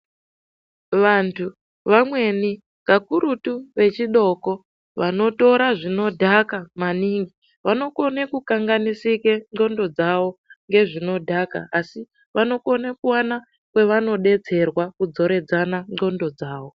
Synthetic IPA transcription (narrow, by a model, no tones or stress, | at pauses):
ʋantʰu | ʋamwe̞ni | kakuɾutuʋe̞t͡ʃiɗo̞ko̞ | ʋano̞to̞ɾaʐino̞dʱakamaniŋɡi | ʋano̞ko̞nekukaŋɡanisikeŋ͡ǃo̞ndo̞d͡zaʋo̞ŋɡe̞ʐino̞dʱaka̰ːsi | ʋano̞ko̞nekuwana | kwe̞ʋano̞ɗe̞t͡se̞rwakud͡zo̞ɾe̞d͡zanaŋ͡ǃo̞ndo̞d͡zaːwo̞